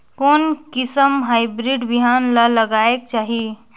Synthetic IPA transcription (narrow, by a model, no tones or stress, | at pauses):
konkisəmɦajbɾiɖbiɦanlələɡaek̚t͡ʃaɦi